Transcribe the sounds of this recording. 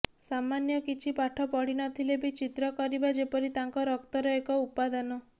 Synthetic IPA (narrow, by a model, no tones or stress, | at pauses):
samanjɔkit͡ʃʰipaʈʰɔpɔɽinɔt̪ʰilebit͡ʃit̪ɾɔkɔɾibad͡ʒepɔɾit̪aŋkɔɾɔkt̪ɔɾɔekɔupad̪ɔnɔ